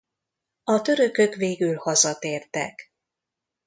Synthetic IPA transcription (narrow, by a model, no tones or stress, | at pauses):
ɒt̪ø̞ɾø̞kø̞kʋeːɡylhɒzɒt̪eːrt̪ɛ̰k